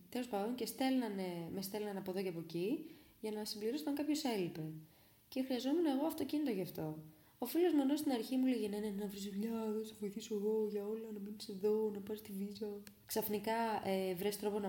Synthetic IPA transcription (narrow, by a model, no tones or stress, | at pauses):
t̪elo̞spɐðoŋce̞st̪e̞lnɐnemest̪e̞lnɐnɐpo̞ðo̞ceɐpo̞ci | ʝɐnɐsimbliɾo̞st̪ɐŋkɐpço̞se̞lipe̞ | ce̞xɾiɐzo̞munɐeɣo̞ɐft̪o̞cinit̪oʝɐːft̪o̞ | ofilo̞zmeno̞st̪inɐɾçimuleʝenɐinenenɐvɾizðuʎɐðosevo̞iθisoeɣo̞ʝɐo̞lɐnɐminise̞ðo̞nɐpɐsst̪ivizɐ | ksɐfnikɐevɾest̪ɾo̞po̞nɐ